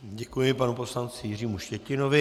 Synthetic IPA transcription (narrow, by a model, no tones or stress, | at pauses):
ɟɛkujɪpanupo̞slant͡sɪjɪr̝iːmuʃcɛcɪno̞vɪ